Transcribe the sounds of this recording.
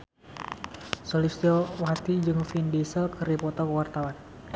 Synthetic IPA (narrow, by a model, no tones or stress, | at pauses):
solist̪iɔwat̪id͡ʒɨŋfindisəlkɨripɔt̪ɔkəwart̪awan